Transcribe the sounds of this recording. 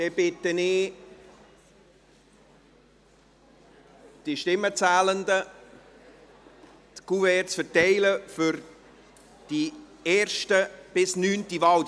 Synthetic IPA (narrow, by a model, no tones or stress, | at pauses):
d̥ɛb̥ɪtːənɪː | d̥iʃtɪmːət͡sæːlənd̪ə | tkuvɛɾt͡sfəɾtɛɪləfʏɾ | d̥i | ɛːɾʃtəb̥ɪsnyːntivɑw